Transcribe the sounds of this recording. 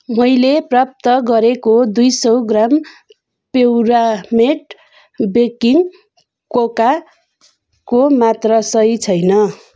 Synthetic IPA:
mʌjleprap̚t̪ʌɡʌɾekod̪ujsʌwɡram | pewɾameʈ | bekiŋ | koka | komat̪rʌsʌjt͡sʰʌjnʌ

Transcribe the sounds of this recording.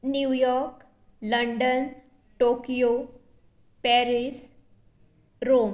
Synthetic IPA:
njujɔɾk | ləɳɖən | ʈokijo | pɛɾis | ɾom

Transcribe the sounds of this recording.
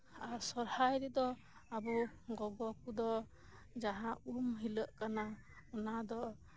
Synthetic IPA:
aɾsɔɾhajɾɛd̪ɔ | abuɡɔɡɔkud̪ɔ | d͡ʒaɦãumɦiləʔkana | ɔnad̪ɔ

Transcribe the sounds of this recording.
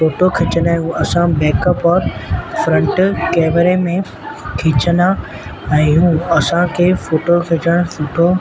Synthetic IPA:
foːʈokʰɪt͡ɕənaɦjũɐsãbɛːkəpɔːɾfɾə̃ɳʈkɛːmeɾemẽ | kʰɪt͡ɕənd̪a | ɛ̃ːɦũːɐsãkʰeːfoːʈokʰɪt͡ɕəɽ̃ʊfoːʈʰo

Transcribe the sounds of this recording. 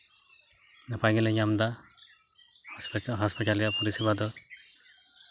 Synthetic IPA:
napʰajɡɛlɛjamd̪a | ɦaspiʈalijapɔɾisibad̪ɔ

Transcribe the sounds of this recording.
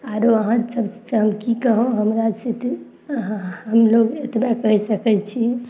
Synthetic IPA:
aɾoəɦãsəbssɦəmkikəɦõɦəmɾat͡ʃet̪ | ɦəmloɡet̪makəɦsəkɛt͡ʃʰi

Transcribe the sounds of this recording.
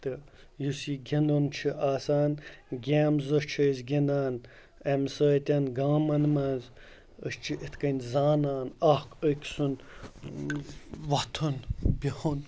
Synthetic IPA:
t̪ɨ | jusiɡʲenont͡ʃʰiʔaːsaːnɡʲaːmzɐʃt͡ʃʰɐjzɡʲenaːn | emsəːt̪ʲɐnɡaːmɐnmaz | əst͡ʃʰiʔit̪ʰkɐnʲzaːnaːnɐhkəkʲsun | ʋɐt̪ʰunbʲihun

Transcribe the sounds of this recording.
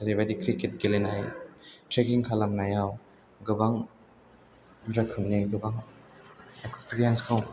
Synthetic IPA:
saɾibadikʰɾiket̚ɡelinajtɾekiŋkʰalamnajaw | ɡɯbaŋ | ɾɐkʰɯmniɡɯbaŋ | ekspiɾienskʰaw

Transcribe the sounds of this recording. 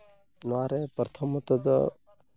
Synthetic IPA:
naːɾepɾt̪ʰəmət̪əd̪ə

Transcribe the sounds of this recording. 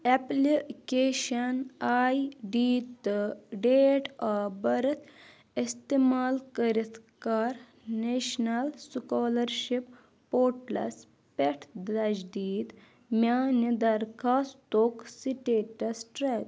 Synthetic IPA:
ɛplikeɕənaiɖit̪əɖeʈabəɾət̪ʰ | ist̪imalkəɾit̪kaɾ | neɕnalsukɔləɾɕipː | oɾʈlɐ̰s | peʈʰd̪ɐd͡ʒd̪iːt̪ | mjanəd̪ɐɾkʰaːst̪oksiʈeʈɐsʈɾek̪

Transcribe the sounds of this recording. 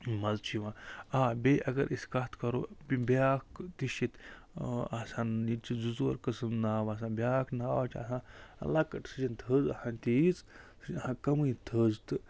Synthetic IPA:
mɐzt͡ʃʰiʋãːaːbeːʔɐɡɐɾʔiskɐt̪ʰkɐɾo̰ːbibʲjaːkt̪iʃit̪ | asãːnit͡ʃizuzoːɾkɨsɨmnaːʋas̬ãːbʲjaːknaːat͡ʃʰa̰ːsãːɐ̰lakɐʈsɨd͡ʒint̪ʰəːzɐhãnt̪it͡s | ɐhãːkɐmɨit̪ʰəːzt̪ɨ

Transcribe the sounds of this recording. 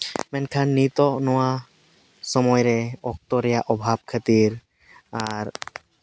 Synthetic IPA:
mɛnkʰanːit̪ɔnɔwa | sɔmɔjɾeɔk̚t̪ɔɾɛjaʔɔbʱab̚kʰat̪iɾ | aɾ

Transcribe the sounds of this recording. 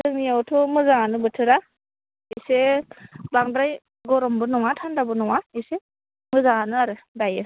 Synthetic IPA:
dɯŋnijawtʰɔmɯzaŋanɯbɯtʰɯɾa | ise | baŋdɾaj | ɡɔɾɔmbɯnɔŋatʰandabɯnɔŋaise | mɯzaŋanɯaɾɯdajɯ

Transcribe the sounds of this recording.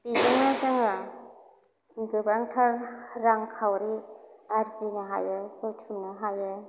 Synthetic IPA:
pizaŋnazɯŋɯ | iŋɡɯbaŋtʰaɾɾaŋkʰawɾiaɾzinaɦa̰jɯkɯtʰumnaɦajɯ

